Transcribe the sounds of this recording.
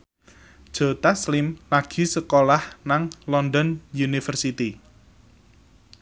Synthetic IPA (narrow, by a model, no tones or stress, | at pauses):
d̥ʒ̥o̤t̪aslɪmlaɡ̥i̤səkolahnaŋlɔnd̪ɔnjunifərsit̪i